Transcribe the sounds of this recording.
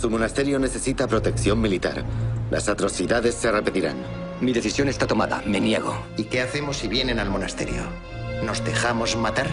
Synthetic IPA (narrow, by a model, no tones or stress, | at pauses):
sumonast̪e̞ɾjo̞ne̞θe̞sit̪apɾo̞t̪e̞kθjo̞mmːilit̪a̰ɾlʔa̰sat̪ɾo̞θiðaðe̞sːe̞repet̪iɾa̰n | miðe̞θisjo̞nest̪at̪o̞maða̰me̞nje̞̰ɣ̞o̞̰ | ike̞aθe̞mo̞siβje̞ne̞nalmo̞nast̪e̞̰ɾjo̰ | no̞zðe̞xamo̞zmat̪aɾ